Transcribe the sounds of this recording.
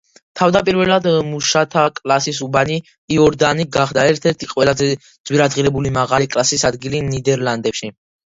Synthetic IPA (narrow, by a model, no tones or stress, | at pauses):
t̪ʰavd̪apʼiɾvɛlad̪muʃat̪ʰakʼlasisubaniː | ɔɾd̪aniɡaχd̪aɛɾt̪ʰɛɾt̪ʰiqʼwɛlazɛd̪z̥wiɾad̪zʁiɾɛbulimaʁalikʼlasisad̪ɡilinid̪ɛɾland̪ɛpʃi